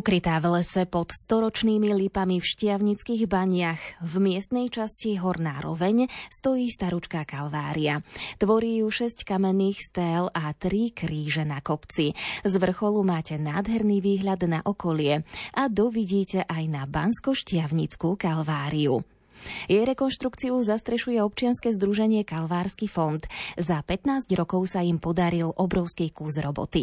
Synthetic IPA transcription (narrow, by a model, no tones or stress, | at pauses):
ukɾit̪aːvlɛsɛpɔt̪st̪ɔɾɔt͡ʃniːmilipamifʃcɪaʊɲit͡skiːɣbaɲɪaxvmɪɛst̪nɛjt͡ʃasciɦɔɾna̰ːɾɔ̰ʋɛɲst̪ɔjiːst̪aɾut͡ʃkakalʋa̰ːɾiat̪ʋɔɾijuːʃɛsckamɛnːiːxst̪ɛːlat̪ɾikɾiːʒɛnakɔpt͡sizʋr̩xɔlumaːcɛnaːd̪ɦɛɾniʋiːɦʎad̪naʔɔkɔlɪɛʔad̪ɔʋiɟiːcɛʔajnabanskɔʃcɪaʊɲit͡skukalʋaːɾiu | jɛjɾɛkɔnʃt̪ɾukt͡siuzast̪ɾɛʃujɛɔp̚t͡ʃɪanskɛːzd̪ɾuʒɛɲɪɛkalʋaːɾskifɔnt̪zapɛt̪naːzɟɾɔkɔʊsaimpɔd̪aɾilʔɔbɾɔʊskikuːzɾɔbɔ̰t̪i